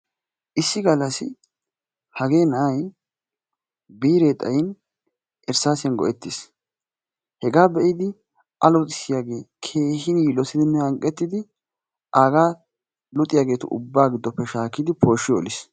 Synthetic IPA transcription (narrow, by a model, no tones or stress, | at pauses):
ʔɪsːɪɡɐlːɐsɪ | hɐɡe̞ːnɐʔɐj | biːɾeːt̪ʼɐjɪn | ʔɛɾsaːsɪjɐnɡɔ̰ʔɛt̪ːɪs | hɛɡaːbɛʔɪd̪ɪ | ʔɐlɔt̪ʼɪsɪjaːɡe̞ːkʰe̞ːhɪnjɪlɔsɪd̪ɪnːɛɐŋkʼɛt̪ːɪd̪ɪ | ʔaːɡaː | lʊt̪ʼɪjaːɡe̞ːt̪ʊʔʊ̰bːaːɡɪd̪ːɔpːɛʃaːkːɪd̪ɪpʰo̞ːʃːɪjɔɔlɪs